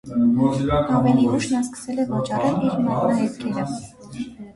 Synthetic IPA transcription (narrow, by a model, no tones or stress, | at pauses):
ɑmɛniuʃnɑskə̥sɛlɛvɑt͡ʃɑɾɛliɾmɔnɑɛt̪kʰɛɾə